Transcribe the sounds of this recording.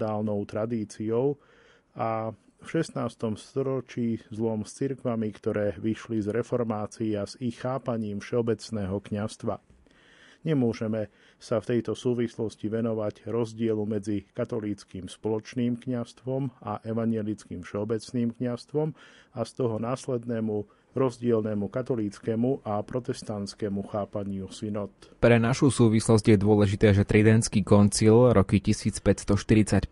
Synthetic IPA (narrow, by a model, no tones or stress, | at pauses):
aːlnɔʊt̪ɾad̪iːt͡siɔʊ | afʃɛsnaːst̪ɔmst̪ɔɾɔt͡ʃiːzlɔmst͡siɾkʋamikt̪ɔɾɛːʋiʃlizɾɛfɔɾmaːt͡siazixːaːpaɲiːmfʃɛɔbɛt͡snɛːɦɔkɲast̪ʋa̰ | ɲɛmʊɔʒɛmɛ | saft̪ɛjt̪ɔsuːʋislɔsciʋɛnɔʋaɟɾɔzɟɪɛlumɛd͡zikat̪ɔliːt͡skimspɔlɔt͡ʃniːmkɲast̪ʋɔmaʔɛʋaɲɛlit͡skiːmfʃɛɔbɛt͡sniːmkɲast̪ʋɔmast̪ɔɦɔnaːslɛd̪nɛːmu | ɾɔzɟɪɛlnɛmukat̪ɔliːt͡skɛmuʔapɾɔt̪ɛst̪ant̪t͡skɛmuxaːpaɲɪusinɔt̪ | pɾɛnaʃusuːʋislɔzɟjɛd̪ʊɔlɛʒit̪ɛːʒɛt̪ɾid̪ɛnskiːkɔnt͡silɾʔɔkicisiːt͡spɛtst̪ɔʃt̪iɾit͡sac